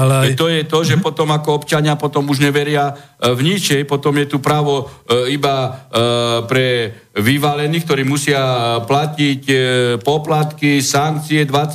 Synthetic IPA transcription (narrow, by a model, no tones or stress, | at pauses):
aɛt̪ɔjɛt̪ɔʒɛpɔt̪ɔmakɔɔpt͡ʃaɲɪapɔt̪ɔmuʒɲɛʋɛɾɪa | vɲit͡ʃɛjpɔt̪ɔmjɛt̪upɾaʋɔiba | pɾɛ | ʋiʋalɛniːkt̪ɔɾiːmusɪaplacicpɔplat̪kisaŋk̚t͡siɛd̪ʋa